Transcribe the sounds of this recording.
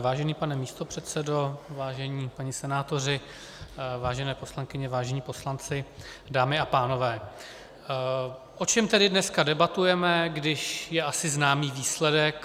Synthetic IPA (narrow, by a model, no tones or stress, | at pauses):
vaːʒɛniːpanɛmiːst̪o̞pr̝̥ɛt̪sɛdo̞vaːʒɛɲiːpaɲɪsɛnaːt̪o̞rɪ | vaːʒɛnɛːpo̞slaŋkɪɲɛvaːʒɛɲiːpo̞slant͡sɪdaːmɪapaːno̞vɛː | ʔo̞t͡ʃɛmt̪ɛdɪdnɛskadɛbat̪ujɛmɛɡdɪʃjɛʔasɪznaːmiːviːslɛdɛk